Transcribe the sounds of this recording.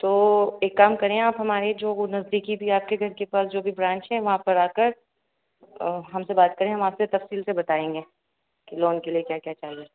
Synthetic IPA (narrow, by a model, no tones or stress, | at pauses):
t̪oːeːkːaːmkɐɾẽẽaːpɦɐmaːɾed͡ʒoːnɐzd̪iːkibʱiaːp̚keɡʱɐɾkepaːsd͡ʒoːbʱibɾãːt͡ʃɦɛ̃ʋɐɦãpɐɾaːkəɾ | ɦɐmsebaːt̪̚kɐɾẽɦɐ̃maːpset̪ɐfsiːlsebɐt̪aːẽːŋɡeː | keloːnkeliekjaːkjaːt͡ʃaːɦieː